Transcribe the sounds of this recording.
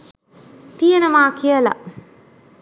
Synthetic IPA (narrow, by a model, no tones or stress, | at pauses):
t̪ijənəmaːkijəlɐ̰